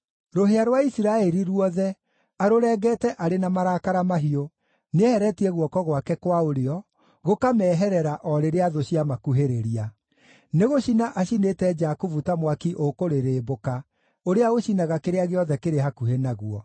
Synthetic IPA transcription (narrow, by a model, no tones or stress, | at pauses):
ɾoɦeaɾwaisiɾaɛɾiɾuɔðɛ | aɾoɾɛːɡɛtɛʔaɾenamaɾakaɾamaɦio | neɛhɛɾɛtiɛɣwɔkɔɣwakɛkwaoɾeɔ | ɣokamɛːɦɛɾɛɾaʔɔɾeɾeaðoɕiamakuɦeɾeɾia | neɣoɕinaʔaɕinetɛd͡ʒakuvutamwakiʔokoɾeɾeːboka | oɾeaɣoɕinaɣakeɾeaɣeɔðɛkeɾeɦakuhenaɣuɔ